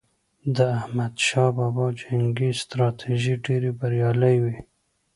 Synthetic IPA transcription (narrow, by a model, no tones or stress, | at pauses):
d̪əahmad̪ʃɑbɑbɑd͡ʒaŋɡist̪ɾɑt̪ʰiʒiɖeɾibaɾjɑləjwi